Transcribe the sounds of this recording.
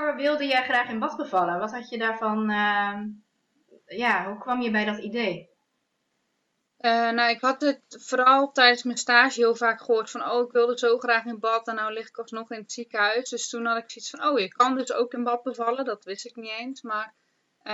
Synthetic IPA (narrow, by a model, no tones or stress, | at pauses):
ʋɪlˠdəjɛjχraːχɪnbɔt̚bəvɑləʋɔtɦɑtjədaːɹvɔn | jaɦukʋɑmjəbɛjdɔtideː | ʔənawɪkhɑt̚ɪtfoːɾɔlˠtɛjdənsmɛnstaːʒəhɪəlˠvaːkχəɦoːrtfɔnowɪkʋɪlˠdəzoːχraːχɪnbɔtɛnːawlɪxɪ̥kɔsnɔχɪnətsikəɦœɥsdøstunhɑtɪksisfɔnowjəkʰːɔndøso̰wkɪnbɔt̚bəvɑlˠədɔtʋɪstɪknieːnsmar